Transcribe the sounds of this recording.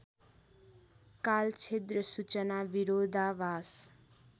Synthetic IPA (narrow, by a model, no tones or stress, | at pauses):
kalt͡sʰet̪rʌsut͡sʌnabiɾod̪ʱabas